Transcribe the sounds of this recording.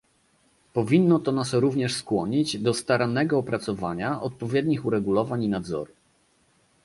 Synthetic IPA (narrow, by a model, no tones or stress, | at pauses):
pɔvʲinːɔt̪ɔnasɾuvɲɛʂskwɔɲid͡ʑd̪ɔst̪aɾanɛɡɔːpɾat̪sɔvaɲaʔɔt̪̚pɔvʲjɛd̪ɲixuɾɛɡulɔvaɲinad̪zɔ̰ɾu